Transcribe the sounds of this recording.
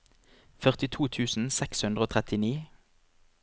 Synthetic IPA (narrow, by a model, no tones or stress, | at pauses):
fœʁt̪ɪt̪ʰuːt̪ʰʉːsn̩sɛkshʉnd̪ʁəoːt̪ʁɛt̪ɪniː